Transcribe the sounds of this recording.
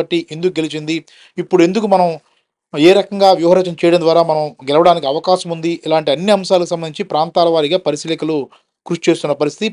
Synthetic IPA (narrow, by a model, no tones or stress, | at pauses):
ɐʈːiʔend̪ukuɡelit͡ʃind̪i | ipːuɽue̞nd̪ukumɐnɐm | eːɾɐkɐŋɡaːʋjɐwɦɐɾɛːt͡ʃɐmt͡ʃɛːjɐɽɐmnd̪ʋaːɾaːmɐnɐmɡɛlɐʋɐɽaːnikiɐʋɐkaːʃɐmund̪iʔilaːɳʈiɐnːiɐmʃaːlɐkusɐmbɐniɲt͡ʃipɾaːnt̪aːlɐʋaːɾiɡaːpɐɾisiːlɐkɐlu | kɾuʂt͡ʃe̞ːst̪unːɐpɐɾist̪ʰit̪i